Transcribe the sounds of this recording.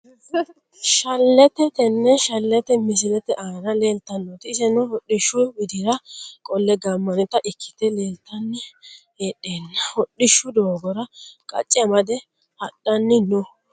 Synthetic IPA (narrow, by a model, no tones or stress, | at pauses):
ʃɐlːɛt̪ɛt̪ɛnːɛʃɐlːɛt̪ɛmɪs̬ɪlɛt̪ɛʔaːɾɐle̞ːlt̪ːɐnːɔt̪ɪːsɛnʊhɔɗːɪʃːʊbɪd̪ɪɾɐkʼɔlːɛɡɐmːɐnɪt̪ːɐʔɪkʰːɪ̥t̪ɛle̞ːlt̪ːɐnːɪ | eːɗeːnːɐhɔɗːɪʃːʊd̪oːɡɔɾɐkʼɐ̰t͡ʃʼːɛmɐd̪ɛ | hɐɗːɐnːɪnɔ